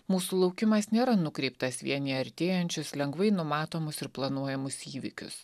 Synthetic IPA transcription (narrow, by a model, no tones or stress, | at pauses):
muːsuːlˠɒʊkʲɪmɐsnʲeːɾɐnʊkɾʲɛɪpt̪ɐsʋʲḭɛnʲiɐɾʲt̪ʲeːjɛnʲt͡ʃʲʊslʲɛŋɡʋɐɪnʊmɑːt̪oːmʊsɪɾplˠɐnuɔjɛmʊsiːʋʲɪ̰kʲʊ̰s